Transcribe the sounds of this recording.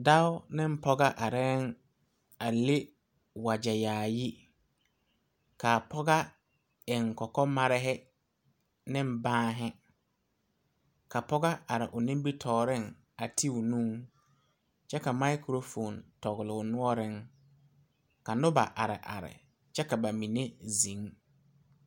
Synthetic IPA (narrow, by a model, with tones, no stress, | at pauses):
da˦ʊ˦nɪ˦m˦pɔ˦ɡa˦ʔa˨ɾɛ˦ŋ | a˨le˦ | wa˨d͡ʒɛ˨jaː˨ji˦ | ka˨pɔ˦ɣa˦ | ɪ˨ŋkɔ˨kɔ˦ma˦ɾɪ˦ɦɪ˦ | nɪ̃˦m˦bãː˦ɦɪ˦ | ka˨pɔ˦ɣa˦a˨ɾɪ˨ʔʊ˨nɪ̃˦m˦bi˦tʰɔː˨ɾɪ˦˨ŋ | a˨tʰi˦ʊ˨nũ˦ | t͡ʃɛ˦ka˨ma˦ɪ˦kɾo˦fo˨ntɔ˨ɣɪ˨lʊ˨nʊ˦ɔ˦ɾɪ˦ŋ | ka˨nʊ˦ba̰˨ʔa˨ɾɪ̰˨ʔa̰˨ɾɪ̰˨ | t͡ʃɛ˦ka˨ba˨mĩ˨ne˦zĩ˨˦ŋ